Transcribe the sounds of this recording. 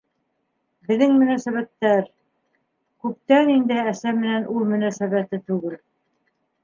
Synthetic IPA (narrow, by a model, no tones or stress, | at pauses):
bɘ̆ðɘŋmɵ̆næsæβæt̪ːæɾ | kʉp̚t̪ænind̪ɘæsæmɘ̆nænʔulˠmɵ̆næsæβæt̪ɘt̪ʉɡɘl